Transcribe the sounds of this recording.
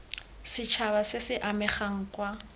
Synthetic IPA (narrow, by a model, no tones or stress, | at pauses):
sɪt͡ʃʰaβasɪsɪʔamɛχaŋ̩kwa